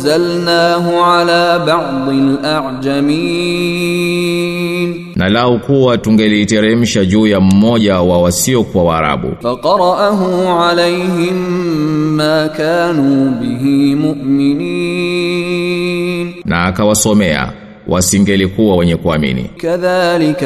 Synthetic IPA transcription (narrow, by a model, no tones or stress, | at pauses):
zalnaːɦʊʕalaːbɑʕd̪ˤɪlʔaʕd͡ʒamiː | n | nalaukuwatuŋɡɛliːtɛɾɛm̩ʃaʄuːjam̩mɔʄawawasiɔkuwawaːɾa̰ɓṵfɑqɑɾˤɑʔaɦʊmʕalejɦɪmː | aːkaːnuːbɪɦimʊʔmɪniː | nnaːkawasɔmɛa̰ | wʔasiŋɡɛlikuwawɛɲɛkuamḭnḭkaðaːlɪk